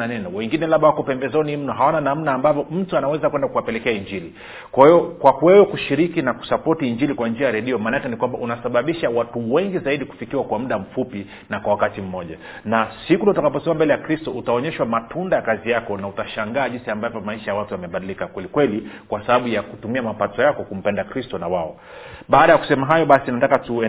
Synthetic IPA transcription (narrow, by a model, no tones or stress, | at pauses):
anɛnɔwɛŋɡinɛlaɓawakɔpɛmbɛzɔnim̩nɔɦawananam̩naːmbavjɔm̩tuanawɛzakwɛndakuwapɛlɛkɛaiɲd͡ʒili | kwahijɔkwakuwɛwɛkuʃiɾikinaku̥sapɔtiːɲd͡ʒilikwand͡ʒiajaɾɛɗiɔmaːnatɛnikwambaʔunasaɓaɓiʃawatuwɛŋɡizaiɗiku̥fikiwakwam̩ɗam̩fupi | nakwawakatim̩mɔʄa | nasikunɔtakapɔsɛmambɛlɛjakɾistɔutaɔɲɛʃwamatʰundajakazijakɔnautaʃaŋɡaːʄinsiambavɔmaiʃajawatujamɛɓaɗilikakwɛlikwɛlikwasaɓaɓujakutumiamapatɔjakɔkum̩pɛndakɾistɔnawaɔ | ɓaːɗajaku̥sɛmaɦajɔɓasinatakatuɛ